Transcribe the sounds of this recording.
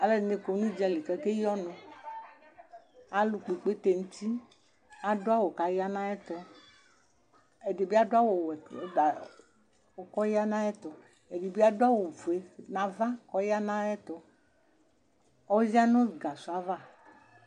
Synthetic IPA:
a˨le˦˨ne˨ko˨nũ˦d͡ʒa˨li˨kɛ˨ke˦jɔ˦nõ˨ | a˨lu˨k͡pe˨k͡pe˦t̪e˨ŋu˦t̪i˦ | a˨do˦a˦wo˨ka˨ja˦nã˦ɛ˦t̪ɔ˦ | e˨de˨bi˦a˦do˦a˦wo˨wɛ˨˦da˨ | o˨kɔ˦ja˦nã˦ɛ˦t̪ɔ˨ | e˨de˨bi˦a˦do˦a˦wo˨vu˨e˨nã˨va˦kɔ˦ja˦nã˦ɛ˦t̪ɔ˨ | ɔ˦zi˦a˦nõ˦˨ɡa˨su˨a˦va˦˨

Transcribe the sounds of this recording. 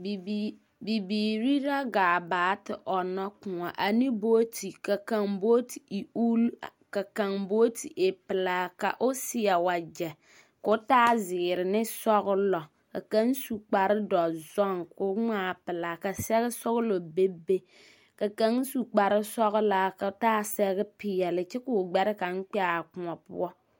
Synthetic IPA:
bi˨biː˨ɾi˦ɾa˦ɡaː˨baː˨˦tɪ˨ʔɔ˨nɔ˦kʊ˨ŋa˨ʔa˨ni˦boː˦tʰi˨ka˨ka˨ŋboː˦ti˨i˨u˦lka˨ka˨ŋboː˦ti˨ʔe˨pɪ˨la˨ka̰˨ʔʊ˦sɪ˦ɛ˨wa˨d͡ʒɛ˨ | kʊ˦taː˦zɪ˨ɾɪ˨nɪ˦sɔ˦ɣʊ˦lɔ˨ | ka˨ka˦n˦su˨k͡pa˨ɾɪ˦dɔ˨zɔ˦ŋkʊ˦ŋaː˦˨pɪ˨la˨ka˨sɛ˦ɣɪ˦sɔ˦ɣʊ˦lo˨be˦be˦ | ka˨ka˦ŋ˦su˨k͡pa˨ɾɪ˦sɔ˦ɣʊ˦la˨ka˨˦taː˦sɛ˦ɣɪ˦pɪ˨jɛ˨lɪ˨t͡ʃɛ˦kʊ˨ɡ͡bɛ˦ɾɪ˦ka˨ŋ̩˦k͡pɛ˦a˨kʊ˨ŋɔ˨pʊ̰˦ɔ˦

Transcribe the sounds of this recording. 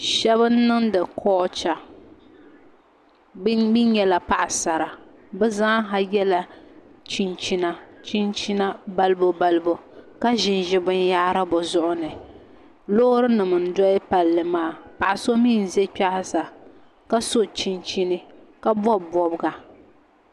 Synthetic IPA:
ʃɛ˦βɨ˦n˦nɨ˦ŋdɨ˨kʰɔː˦t͡ʃa˨˦ | bi˦ɲɛ˦la˨pa˨ʔsa˨ɾa˨ | bɛ˦zaː˦ɦa˦jɛ˦la˨t͡ʃi˦nt͡ʃi˦na˦t͡ʃi˦nt͡ʃi˦na˦ba˦lbo˦ba˦lɨ˦bo˨ka˦ʒɪ˨nʒɪ˦bʊ˦n˦jaː˦ɾa˦bʊ˨zʊ˦ʔʊ˦nɨ˨ | loː˦ɾɨ˦nɨ˨mɨ˨n̩˨dɔ˦ɪ˦pa˨lːɨ˨maː˦˨pa˨ʔa˨so˦miː˦˨n˨zɛ˦k͡pa˦ha˦sa˨ | ka˦so˦t͡ʃi˦nt͡ʃi˦nɨ˦ | ka˦bɔ˦bɔ˨bɡa˨

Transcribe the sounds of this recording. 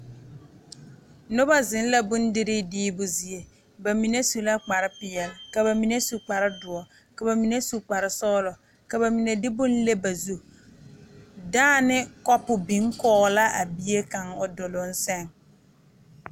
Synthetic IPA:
nʊ˦ba˦zɪ˨˦n˦la˦bʊ˦ndɪ˦ɾɪ˦diː˦bʊ˨zi˨e˨ | ba˨mi˨ne˦su˨la˦k͡pa˨ɾɪ˦pɪ˨jɛ˨lka˨βa˨mi˨ne˦su˨k͡pa˨ɾɪ˦dʊ˨ɔ˨ | ka˨ba˨mi˨ne˦su˨k͡pa˨ɾɪ˨sɔː˦lɔ˨ | ka˨ba˨mi˨ne˨dɪ˦bʊ˦n˦le˦ba˨zu˦ | daː˦nɪ˦kɔ˦pʊ˨bi˨˦ŋkɔː˦ɣla˦ʔa˨bi˦e˦ka˨ŋʊ˨dʊ˨lʊ˨˦n̩˦sɛ˦ŋ

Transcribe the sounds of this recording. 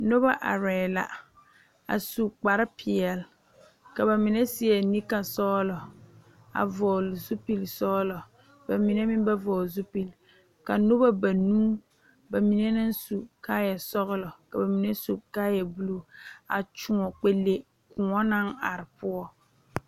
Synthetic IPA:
no˦ba˦ʔa̰˨ɾɛː˨la̰˨ | a̰˨su˨k͡pa˨ɾɪ˦pʰɪ˨ɛ˨l | ka˨ba˨mɪ˨nɛ˦sɪ˦ɛ˨ni˦ka˨sɔː˦lɔ˨ | a̰˨vɔː˨lzu˦pi˨lsɔː˦lɔ˨ | ba˨mi˨nɛ˦mɪ˦m˦ba˦vɔː˨zu˦pi˨l | ka˨no˦ba˦ba˨nũː˦ | ba˨mi˨nɛ˦na˦nsu˨kaː˦jɛ˨sɔ˦ɣɪ˦lɔ˨ka˨ba˨mi˨nɛ˦su˨kaː˦jɛ˨bu˦lo˦˨a̰˨t͡ʃʊ˨ŋɔ˨k͡pe˦lːe˨ | kʊ˨ŋɔ˦na˦ŋa̰˨ɾɪ˨pʊ˦ɔ˦

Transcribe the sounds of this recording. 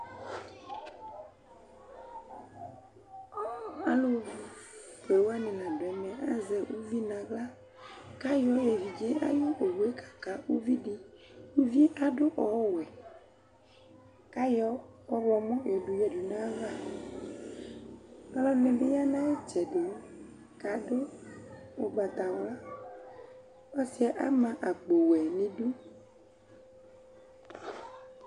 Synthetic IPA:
a˦lo˦˨vi˨kɛ˨wo˦a˦nĩ˨lã˨ɖo˨ɛ˨mɛ̃˨ʔa˦zɛ˨wu˦vi˦nã˨ɡla˦ | ka˦jɔ˦e˨vi˨d͡ʒe˦a̰˦jo˦ʔo˨wu˨e˦kʰḁ˨ka˨wu˦vi˦ɖi˦ | wu˦vi˦a˨ɖo˦ʔɔ˨˦wɛ˨ | ka˦jɔ˦ɔ˦vɔ˨mɔ̃˦jɛ˨ɖu˨jɛ˨ɖu˨nã˦va˦˨˦ | lɔ˦nɛ̃˨be˦ja˦nã˦e˦t͡ʃɛ˨ɖe˨˦ | ka˨ɖo˦ | o˨ɡ͡ba˨t̪a˨wla˦ | ɔ˦si˦ɛ˨ʔa̰˦mã˨ʔa˨ɡ͡bo˨wɛ˨nẽ˨ɖu˦

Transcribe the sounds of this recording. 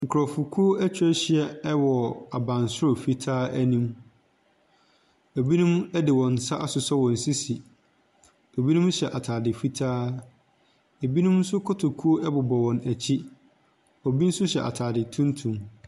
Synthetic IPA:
ŋ̩˨kʰɾɔ˨fu˨kʰu˦o˦ʔɛ˦t͡ɕʰᶣɛ˦ɕɪ˨ɛ˦ɛ˦wɔ˨a˨bã˨nsʊ˦o˨fi˦tʰaː˦ʔæ˦nĩ˦m | o˨bi˦nũ˦m˦ɛ˦dɪ˨wɔ̃˨n̩˨sa˦ʔa˦sʊ˨sɔ˦wɔ̃˨n̩˨si˦si˨ | o˨bi˦nũ˦mɕɛ˨ʔa˨tʰaː˨dɪ˨fi˦tʰaː˦ | e˨bi˦nũ˦m̩˦sʊ˦kʰɔ˦tʰo˨kʰu˦o˦ʔɛ˦bʊ˨bɔ˨wɔ̃˨næ˨t͡ɕʰi˦ | ɔ˨bi˦n̩˦sʊ˦ɕɛ˨ʔa̰˨tʰaː˨dɪ˨tʰũ˦ntʰũ˨m

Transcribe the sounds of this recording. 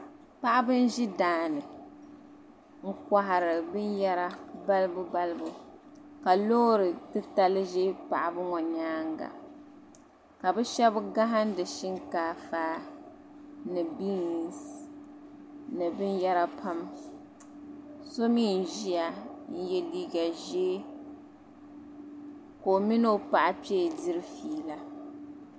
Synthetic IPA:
pa˦ʔɪ˦bɨ˦n˦ʒi˦daː˨˦˨nɨ˨ | ŋ̩˦kʷa˨ɦa˨ɾɨ˨bɨ˦njɛ˦ɾa˦ba˦lbʊ˦ba˦lɨ˦bʊ˦ka˨lo˦ɾɨ˨tɨ˦ta˦lɨ˦ʒe˦pa̰˨ʔɪ˨bɨ˦ŋɔ˨ɲaː˦ŋɡa̰˨ | ka˨bɨ˦ʃɛ˦bɡa˦ɦa˦n˦dɨ˨ʃi˦ŋkaː˨faː˦ | nɨ˨bi˦˨s | nɨ˨bɨ˦njɛ˦ɾa˨pʰa˦m | so˦miː˦˨n˨ʒi˦ja˨n̩˦jɛ˦liː˦ɡa˨ʒe˦ | ko˨mi˦no˦pa˨ʔa˨pɛ˦˨di˦ɾɨ˦fiː˨la˦

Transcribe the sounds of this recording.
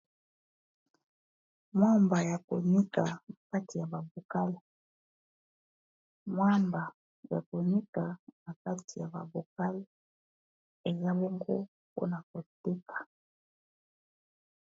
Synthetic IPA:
mwa˦mba˨ja˨ko˨ɲi˦ka˨a˨ka˦ti˨ja˨ba˨bo˨ka˦li˨ | mwa˦mba˨ | ja̰˨ko˨ɲi˦ka˨na˨ka˦ti˨ja˨ba̰˨bo˨ka˦li˦ | e˨za˦be˦ŋɡo̰˦ | po̰˦na˨ko˨te˦kʰḁ˨

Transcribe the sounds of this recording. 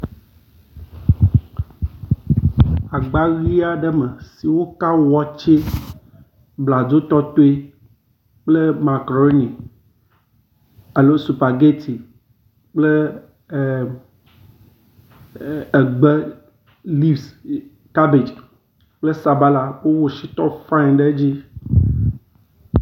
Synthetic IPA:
a˨ɡ͡ba˦ɣi˦a˦ɖə˦mə̃˨si˨wo˦ka˦wɔ˦t͡ʃe˦ | bla˨d͡ʒo˦t̪ɔ˦t̪o˦e˦ | k͡plə˦ma˨kɾo˦ni˨ | a˨lo˦su˨pa˨ɡe˦t̪ʰi˨ | k͡ple˦˨ | e˨ɡ͡be˦ | li˦vs | t̪a˦bi˨t͡ʃ | k͡plə˦sa˨ba˦la˨wo˦wo˨ʃi˦t̪ɔ˦fã˦˨nɖe˦d͡ʑi˦

